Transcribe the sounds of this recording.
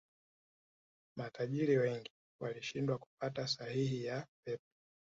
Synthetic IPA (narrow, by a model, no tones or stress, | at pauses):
matʰaʄiɾiwɛŋɡi | waliʃindwaku̥patasahiɦijapɛp̚ɔ̥